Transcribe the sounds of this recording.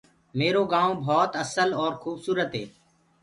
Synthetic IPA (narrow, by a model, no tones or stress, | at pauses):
meːɾoːɡãːõːbʱɔːt̪əsəlɔːɾxuːbsuːɾət̪ɦeː